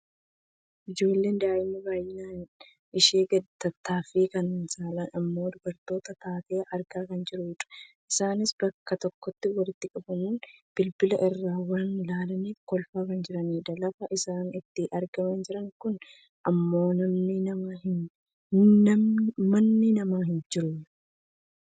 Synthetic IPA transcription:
ʔɪd͡ʒo̞ːlːe̞ːnd̪aːɪmːɐbaːjɪnaːn | ʔɪʃeːɡɐt̪ɐt̪ːaːfiːkɐnnsaːlɐnɐmːo̞ːd̪ʊbɐɾt̪o̞ːt̪ɐt̪aːt̪e̞ːʔɐɾɡaːkɐnd͡ʒɪɾʊjɪᶑɐ̥ʔɪsaːnɪsb̥ɐkːɐt̪ɔkːɔt̪ːɪwɐlɪt̪ːɪkʼɐbɐmuːnb̥ɪlbɪlɐʔɪrːaːwɐnlaːlɐniːfkɔlfaːkɐnd͡ʒɪɾɐniːd̪ɐlɐfɐʔɪsaːnɪt̪ːɪʔɐɾɡɐmɐnd͡ʒɪɾɐŋkʊn | ʔɐmːo̞ːnɐmnɪnɐmahɪn | ɐmmɐnːɪnɐmaːɦɪnd͡ʒɪɾʊɐ

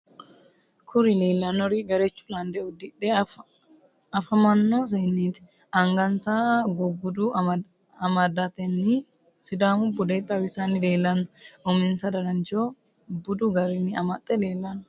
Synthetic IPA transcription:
kʰʊɾileːlːɐnːɔɾiɡɐɾet͡ʃːu̥land̪ɛʊd̪ɪᶑe | ɐfɐmɐnːoːs̬ɐjnːiːt̪ɪ̥ | ɐŋɡɐnsaɡʊɡʊd̪u | ɐmad̪ːat̪ɛnːɪ | sɪd̪aːmʊbʊd̪et̪ʼːɐwɪsaːnɪle̞ːlːɐnːʊʔɔmɪnsɐd̪ɐɾɐnt͡ʃoː | bʊd̪uɡɐɾɪnɪɐmɐt̪ʼːɛle̞ːlːɐnːʊ

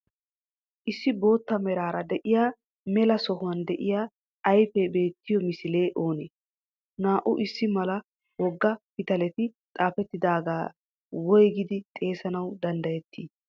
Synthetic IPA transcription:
ʔɪsːɪbo̞ːt̪ːɐmɛɾaːɾɐd̪ɛʔɪjaː | mɛlɐsɔɦʊwɐnd̪ɛʔɪjaː | jfɛbe̞ːt̪ːɪjɔmɪsɪle̞ːʔo̞ːneː | naːʔʊʔɪsːɪmɐlɐ | wɔɡːɐpɪt̪ɐlɛt̪ɪt̪ʼaːfɛt̪ːɪd̪aːɡaː | wɔjɡɪd̪ɪt̪ʼe̞ːsɐnɐwd̪ɐnd̪ɐjɛt̪ʰːiː

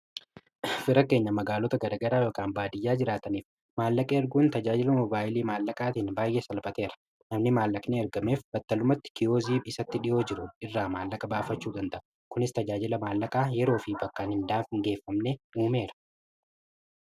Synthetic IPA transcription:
fɪɾɐke̞ːɲːɐmɐɡaːlɔt̪ɐɡɐdɐɡɐɾaːjoːkʼaːnbaːd̪ɪjːaːd͡ʒɪɾaːt̪ɐniːf | maːlːɐkʼeːɐɾɡuːnt̪ɐd͡ʒaːd͡ʒɪlɐmɔbaːʔɪliːmaːlːɐkʼaːt̪iːnbaːjʔeːsɐlbɐt̪e̞ːɾɐ̥ | nɐmnɪmaːlːɐkʼneɛɾɡɐme̞ːfb̥ɐt̪ːɐlʊmɐt̪ːɪ̥kɪjo̞ːziːbɪsɐt̪ːɪᶑɪjo̞ːd͡ʒɪɾʊɪrːaːmaːlːɐkʼɐbaːfɐt͡ʃːuːd̪ɐnt̪ɐʔɐ | kʊnɪst̪ɐd͡ʒaːd͡ʒɪlɐmaːlːɐkʼaːjɛɾo̞ːfɪbɐkːaːnhɪnd̪aːnfɪŋɡe̞ːfːɐmneuːme̞ːɾɐ̥

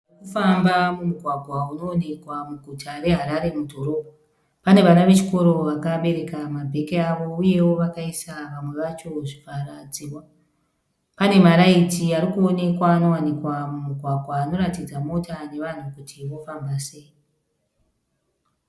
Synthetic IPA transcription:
kufambamumuɡʱwaɡʱwauno̞ːne̞kwamuɡʱutaɾe̞ɦaɾaɾe̞mudʱo̞ɾo̞ːbʱa | pane̞ʋanaʋe̞t͡ʃi̥ko̞ɾo̞ʋakaɓe̞ɾe̞kamabʱe̞keaʋo̞uje̞wo̞ʋakaisaʋamwe̞ʋat͡ʃo̞ʐifarad͡ziːwa | pane̞maɾaitiaɾikuo̞ne̞kwaːno̞wanikwamumuɡʱwaɡʱwaːno̞ratid͡zamo̞tane̞ʋan̤ukutʰiʋo̞fambase̞i

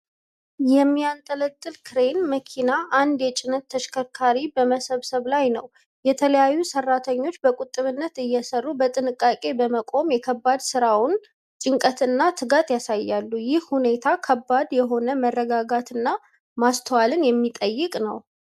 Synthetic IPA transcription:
jɛmːijant̪ʼələt̪ʼːɨlkʰɨɾe̞nməkʰinaʔand̪jɛt͡ʃʼɪnət̪ʰːəʃkʰəkʰaɾibəməsəβsəβlajnə̰w | jɛt̪ʰələjajːusərːat̪ʰəɲːo̞t͡ʃːbəkʼut̪ʼːɨβɨnːət̪ɨjːɛsərːubət̪ʼɨnɨkʼːakʼe̞bəməkʼo̞mjɛkʰəbːad̪sɨɾawʊn | t͡ʃ̪ʼɪŋkʼət̪ɨnːat̪ʰɨɡat̪jasajːalːujɪhhune̞t̪ʰakʰəbːad̪jɛɦo̞nəmərːəɡaɡat̪ɨnːa | mast̪ʰəwalɨnjɛmːit̪ʼəjːɪkʼnəw

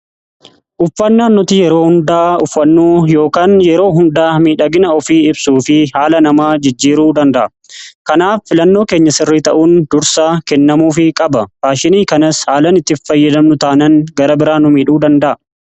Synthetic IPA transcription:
ʔʊfːɐnːaːnːʊt̪ɪjɛɾo̞ːhʊnd̪aːʊfːɐnːuːjo̞ːkaːnjɛɾo̞ːɦʊnd̪aːmiːᶑɐɡɪnɐɔfiːɪbsuːfɪhaːlɐnɐmaːd͡ʒɪd͡ʒːiːɾuːd̪ɐnd̪ɐʔɐ | kɐnaːfːɪlɐnːo̞ːke̞ːɲːɐsɪrːiːt̪ɐʔuːnd̪ʊɾsaːkɛnːɐmuːfɪkʼɐbɐfaːʃɪniːkɐnɐshaːlɐnɪt̪ːɪfːɐjːɐd̪ɐmnʊt̪aːnɐŋɡɐɾɐbɪɾaːnʊmiːᶑuːd̪ɐnd̪ɐʔɐ

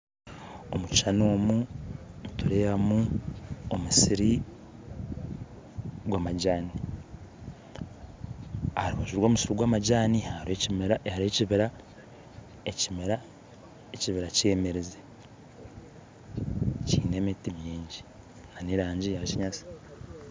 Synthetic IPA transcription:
o̞̰mucʃanoːmumutuɾeɾamu | omusiɾi | ɡwamaɟaːni | haɾuβaʒuɾwo̞ːmusiɾiɡwaːmaɟaːnihaehaɾeciβiɾa | ecimeɾa | eciβiɾace̞ːme̞ɾeze | cḭːne̞mitimjeːɲɟi | naniɾaːɲɟijaciɲasi̥

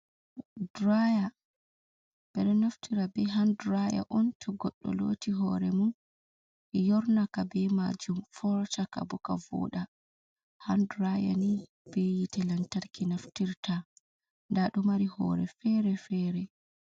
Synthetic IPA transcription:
dɾaja | b̥ɛɾɛnaftʰiɾabɛɦandɾaja̰ʔɔntʰɔɡɔɗːɔ̰lo̰ːtiɦɔɾɛmun | jɔɾnakabɛma̰d͡ʒumfɔɾt͡ʃaka̰bɔkavɔ̰ːɗa | handɾaja̰ni | b̥ɛjitɛlantaɾkinaftiɾta | ndaɗumaɾihɔ̰ɾɛ̰fɛɾɛfɛːɾɛ

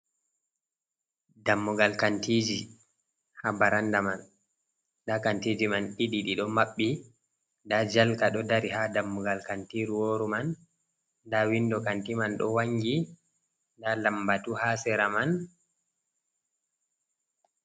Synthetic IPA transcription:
damːuɡalkantiːd͡ʒi | habaɾandaman | ɗakantiːd͡ʒimaniɗiɗiɗɔmaɓːi | dad͡ʒalkaɗɔdaɾihadamːuɡalkantiːɾuwoːɾuman | dawindɔkantimanɗɔ̰waŋɡi | dalambatuhasɛɾaman

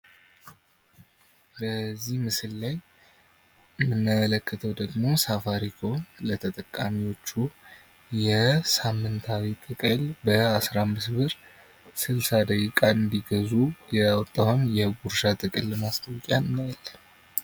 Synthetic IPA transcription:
bəzːihmɨsɨlːaj | ɨmːɨnːamələkːət̪ʰəwd̪əɡmo̞safaɾikʰo̞lət̪ʰət̪ʼəkʼːamiwo̞t͡ʃːu | jɛsamːɨnt̪ʰawit̪ʼɨkʼɨlbəasɾamːɨsbɨɾ | sɨlsad̪əɡikʼaɨnd̪iɡəzujɛwɔt̪ʼːawɨmjɛɡuɾʃat̪ʼɨkʼɨlmast̪ʼəwkʼjaːal

